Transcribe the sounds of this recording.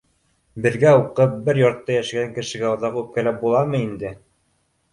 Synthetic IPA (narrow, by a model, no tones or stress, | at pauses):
bɘ̆ɾɡæuqɤp̚bɘɾjŏɾt̪ːɑjæʃɘɡæŋkɘ̆ʃɘ̆ɡæŏðɑqʉp̚kælæp̚bulˠɑmɤind̪ɘ